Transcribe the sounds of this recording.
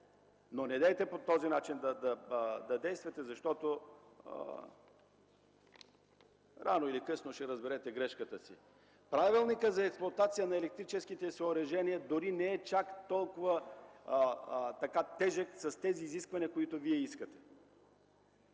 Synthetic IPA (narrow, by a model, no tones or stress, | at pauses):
nonɛd̪ɛjt̪ɛpot̪ɔzinat͡ʃind̪ɐd̪ɐd̪ɐd̪ɛjst̪vɐt̪ɛzɐʃt̪ɔt̪o̰ | ɾanoilikɤsnoʃɛɾɐzbɛɾɛt̪ɛɡɾɛʃkət̪əsi | pɾavilˠnikəzɐɛksplˠoɐt̪at̪sijənɐɛlɛk̚t̪ɾit͡ʃɛskit̪ɛsoːɾɐʒɛniəd̪oɾinɛɛt͡ʃakt̪ɔlˠkʊvə | t̪ɐkat̪ɛʒəksɐst̪ɛziːziskvɐniɐkoit̪oviɛiskət̪ɛ̥